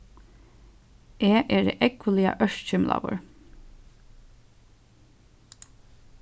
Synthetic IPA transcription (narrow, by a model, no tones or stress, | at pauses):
ʔeːʔeːɖḛːʔɛkʊliːɑ̰ʔœʃt͡ʃʏmlɑ̰ːbə̰ɹ